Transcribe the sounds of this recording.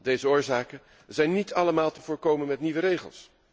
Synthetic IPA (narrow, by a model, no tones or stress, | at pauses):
dejzəʊːɹzaːkə | zɛjnːitʰɑləmaːlˠtəvʊːɹkowmənmɛtniʋəɾejχə̰lˠs